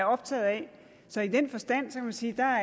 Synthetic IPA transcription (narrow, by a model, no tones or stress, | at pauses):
ɐɒ̽b̥t͡sʰɛ̰ːð̩ˠɛ | sɒ̽id̥enfɒ̽sd̥æn̰sɒ̽kʰæmænsiːd̥ɑ̈